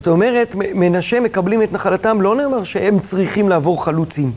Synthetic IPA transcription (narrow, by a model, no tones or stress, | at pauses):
zot̪ome̞ʁe̞tmeme̞naʃeme̞kablimetnaχalatamlo̞ne̞ːmaʁʃehemt͡sʁiχimlaːvo̞ʁχalut͡sim